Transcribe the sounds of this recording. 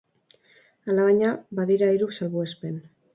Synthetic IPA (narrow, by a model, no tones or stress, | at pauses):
alaβaɲabaðiɾaiɾuksalβuespe̞n